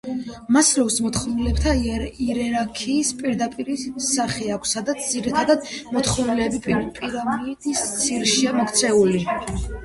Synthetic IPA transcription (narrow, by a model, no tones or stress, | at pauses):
maslɔvsmɔt̪χɔmnilɛb̚t̪ʰaiɾɛɾaɾkʰiːspʼiɾd̪apʼiɾisaχɛakʷʰsːad̪at̪sʰd̪ziɾit̪ʰad̪ad̪mɔt̪χɔnilɛbipʼipʼiɾamid̪̥ist̪sʰiɾʃiamɔkt̪sʰɛuli